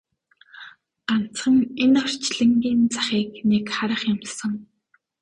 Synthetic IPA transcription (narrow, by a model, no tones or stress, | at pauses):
ɢ̥an̥ʰt͡sχə̆ŋenɔr̥t͡ɕɮɘ̆ŋɡʲiːnt͡sḁχiːknekχaɾə̆χjʊmtsə̆ŋ